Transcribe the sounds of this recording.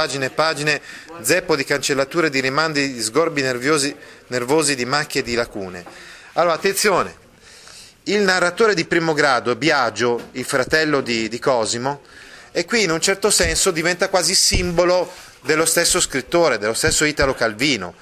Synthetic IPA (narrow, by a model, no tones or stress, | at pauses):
aːd͡ʒinepaːd͡ʒined̪zɛpːod̪ikant͡ʃelːat̪uːɾed̪iɾimand̪id̪izɡorbinevoːzinervoːzid̪imakːed̪ilakuːnealoːɾat̪ːent̪sjoːnḛ | ilnarːat̪oːɾed̪ipɾiːmoɡɾaːd̪oɛbjad͡ʒːoilfɾat̪ɛlːod̪id̪ikɔzimo | ekːwiːnunt͡ʃɛrt̪osɛnsod̪ivɛnt̪akwaːzisimbolo | d̪elːost̪esːoskɾit̪ːoːɾed̪elːost̪esːoiːt̪alokalviːno̰